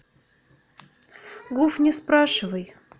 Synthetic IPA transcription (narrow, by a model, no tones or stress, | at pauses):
ɡufnʲɪspɾɑʂɨvəj